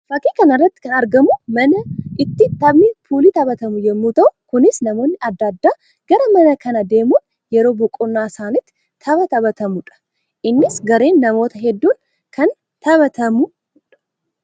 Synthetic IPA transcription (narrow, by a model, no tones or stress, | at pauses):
fɐkːiːkɐnɐrːɐt̪ːɪ̥kɐnɐɾɡɐmʊmɐnɐʔɪt̪ːɪt̪ːɐbnipʰuːlit̪ɐbɐt̪ɐmʊjɛmːut̪ɐwkʊnɪsnɐmo̞ːnːɪɐd̪ːaːd̪ːaː | ɡ̥ɐɾɐmɐnɐkʰɐnɐd̪e̞ːmʊn | jɛɾo̞ːbɔkʼʊnːaːsaːnɪt̪ʰː | ɐbɐt̪ɐbɐt̪ʰɐmʊᶑɐ̥ | ʔɪnːɪsɡɐɾe̞ːnːɐmo̞ːt̪ɐɦɛd̪ːun | kʰɐn | t̪ʰɐβɐt̪ʰɐmʊ | ᶑɐ̥